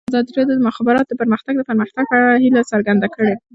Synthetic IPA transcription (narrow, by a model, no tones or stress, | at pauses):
zɑd̪ɾed̪od̪əmʊxabɪɾɑt̪od̪əpəɾməxt̪aɡ̚d̪əpəɾməxt̪aɡ̚pəaɽahilasaɾɡand̪akəɽe